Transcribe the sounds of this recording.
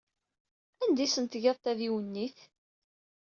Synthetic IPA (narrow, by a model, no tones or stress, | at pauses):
ænd̪isənt̪ʝɑðˤt̪æðiwənːiθ